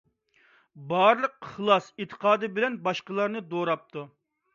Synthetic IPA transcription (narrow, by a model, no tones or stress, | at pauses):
bɑɾlˠəq̚χlˠɑset̪ʰə̥qʰɑːd̪ɨbɪlɛnbɑʃqəlˠɑɾnɨd̪oɾɑp̚t̪ʰu